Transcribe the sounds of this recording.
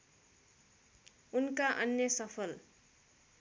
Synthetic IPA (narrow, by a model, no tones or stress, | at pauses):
unkaʔʌnjʌsʌpʰʌl